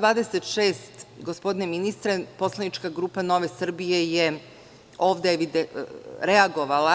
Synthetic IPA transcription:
d̪ʋaːd̪eset̪ʃeːst̪ɡospo̞d̪ineminist̪ɾepo̞slˠanit͡ʃkaɡɾuːpano̞ʋesr̩bije̞je | o̞ːʋd̪eeʋid̪ɾeaɡo̞ʋala

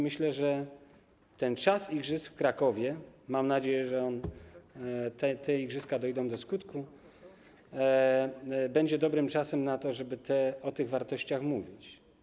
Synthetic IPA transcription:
mɘɕlɛʐɛ | t̪ɛnt͡ʂasiɡʐɘsfkɾakɔvʲjɛmamnad͡ʑejɛʐɛɔn | t̪ɛt̪ʰɛiɡʐɘskad̪ɔjd̪ɔ̃w̃d̪ɔskut̪ku | bɛɲd͡ʑɛd̪ɔbɾɘmt͡ʂasɛmnat̪ɔʐɛbɘt̪ʰɛɔt̪ɘɣvaɾt̪ɔɕt͡ɕaxmuvʲit͡ɕ

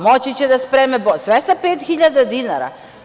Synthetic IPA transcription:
mɔt͡ʃit͡ʃɛd̪aspɾɛmɛbɔsʋɛsapeːt̪xiʎʲad̪ad̪inaɾa̰

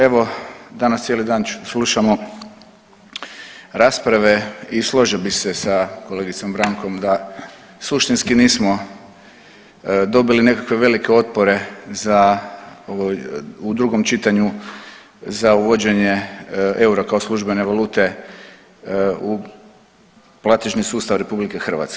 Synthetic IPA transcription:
e̞ʋo̞d̪anast̪sjelid̪aːnsluʃamo̞ | ɾaːspɾaʋe̞islˠo̞ʒilbise̞sako̞le̞ɡit̪so̞mbɾaŋko̞md̪a | suʃt̪inskiniːsmo̞ | d̪o̞biline̞kakʋe̞ʋe̞like̞o̞t̪̚po̞ɾe̞zaoʋojud̪ɾuɡo̞mt͡ʃit̪aɲu | zauʋod͡ʑe̞ɲe̞e̞uɾakao̞slˠuʒbe̞ne̞ʋalˠuːt̪e̞ | u | plˠat̪eʒnisuːst̪aʋɾe̞publikexr̩ʋa̰t̪ske

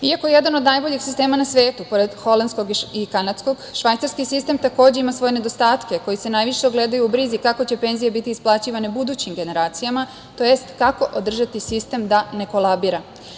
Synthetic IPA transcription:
iako̞jeje̞d̪ano̞d̪najbo̞ʎixsist̪e̞ːmanasʋeːt̪upo̞ɾed̪xo̞land̪sko̞ɡiikanat̪sko̞ɡʃʋajt̪saɾskisist̪e̞mt̪ako̞ːd͡ʑeimasʋo̞je̞ned̪o̞st̪aːt̪ke̞ko̞jise̞najʋiʃeoɡle̞d̪ajuubɾizikako̞t͡ɕe̞pe̞nzijebit̪iːsplˠaːt͡ɕiʋanebud̪uːt͡ɕimɡe̞ne̞ɾaːt̪sijama | t̪o̞jest̪kako̞ʔod̪r̩ʒat̪isist̪e̞md̪ane̞ko̞lˠabiɾa

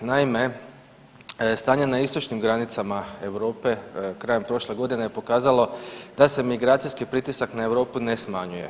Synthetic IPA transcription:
naime̞ | st̪aːɲenaist̪o̞t͡ʃnimɡɾanit̪samae̞ʋɾo̞ːpe̞kɾaːjempɾo̞ʃleɡo̞d̪ine̞jepo̞kaːzalˠo̞d̪̥ase̞miɡɾaːt̪sijskipɾit̪isaknae̞ʋɾo̞ːpune̞smaɲuje̞̰

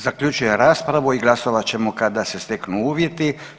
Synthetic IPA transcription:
zakʎut͡ʃuje̞ɾaːspɾaʋuiɡlˠaso̞ʋat͡ɕe̞mokad̪ase̞st̪eknuuːʋje̞t̪i

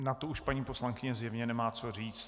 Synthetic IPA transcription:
nat̪ouʃpaɲiːpo̞slaŋkɪɲɛzjɛvɲɛnɛmaːt͡so̞riːt͡st̪

